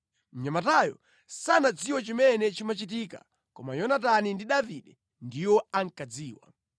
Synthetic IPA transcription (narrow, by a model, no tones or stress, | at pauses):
m̩ɲamatajɔ̰ | sanad͡ziwɔt͡ʃimɛnɛt͡ʃimat͡ʃit̬ika̰ | kɔ̰majɔnatanindiɗaviɗɛ | ndiwɔaŋ̩kad͡ziːwa̰